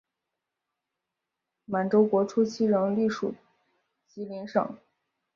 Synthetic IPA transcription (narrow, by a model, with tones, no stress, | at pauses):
ma˨˩nʈ͡ʂo˥ʊkwɔ˧˥ʈ͡ʂʰu˥t͡ɕʰi˥ɻə˧˥ŋli˥˩ʂu˨˩ | t͡ɕi˧˥li˧˥nʂɤ̰˨˩˦ŋ